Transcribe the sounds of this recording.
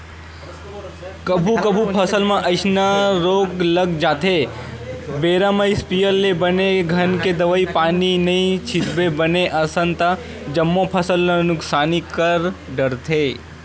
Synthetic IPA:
kəbʱukəbʱupʰəsəlmãʔəɪsnaɾoɡləɡd͡ʒaːt̪ʰe | beɾamaispijəlːebəneɡʱənked̪əʋaipaːninəĩt͡ʃʰɪt̪bebəneʔəsə̃nt̪a | d͡ʒəmːopʰəsəlnanʊksaːnikəɾɖəɾt̪ʰe

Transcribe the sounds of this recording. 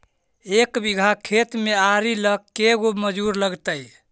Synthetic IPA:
ekbiɡʱakʰet̪meaɾiləkːeɡoməd͡ʒuɾləɡt̪əj

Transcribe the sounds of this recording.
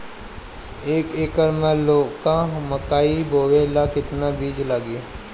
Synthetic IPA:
eːkeːkəɾmẽloːkamɐkaːibʱoːwelakɪt̪nabiːd͡ʒlaːɡɪa

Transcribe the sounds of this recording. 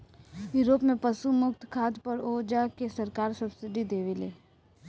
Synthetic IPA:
juːɾoːpmẽpɐʃumʊk̚t̪ʰkʰaːd̪pɐɾoːd͡ʒakesɐɾkaːɾsɐbsɪɖid̪eːʋeleː

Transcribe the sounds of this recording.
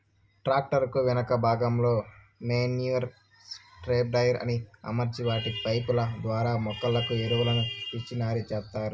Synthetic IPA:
ʈɾaːk̚ʈɐɾkuʋinɐkɐbʱaːɡɐmlo̞ː | meːnjuɐɾ | sʈɾeːp̚ɖɐjɐɾɐ̰niɐ̰mɐɾd͡ʒiʋaːʈipɐjpulɐd̪ʋaːɾaːmɔkːɐlɐkueɾuʋɐlɐnupit͡ʃːinaːɾit͡ʃɛːst̪ːaːɾu

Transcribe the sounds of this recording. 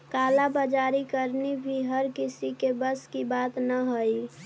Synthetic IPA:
kaːlabad͡ʒaɾikəɾnibʱiɦəɾkisikebəskibat̪nəɦoi

